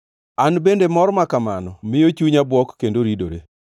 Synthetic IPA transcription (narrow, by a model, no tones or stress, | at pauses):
anbendemɔɾmakamanɔmɪjot͡ʃuɲabwɔkːendoɾidoɾḛ